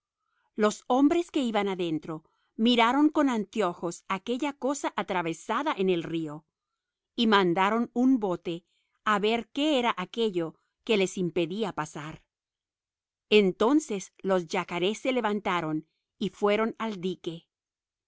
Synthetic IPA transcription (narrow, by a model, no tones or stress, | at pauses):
lo̞so̞mbɾe̞ske̞iβanaðe̞nt̪ɾo̞ | miɾaɾo̞ŋko̞nant̪jo̞xo̞sake̞ʝako̞saʔat̪ɾaβe̞saðaʔene̞lrio̞ | imãnd̪aɾo̞numbo̞t̪e̞ | aβe̞ɾke̞eɾaʔake̞ʝo̞ | ke̞le̞simpe̞ðiapasaɾ | ent̪o̞nse̞slo̞zʝakaɾe̞sːe̞le̞βant̪aɾo̞n | ifwe̞ɾo̞nald̪ike̞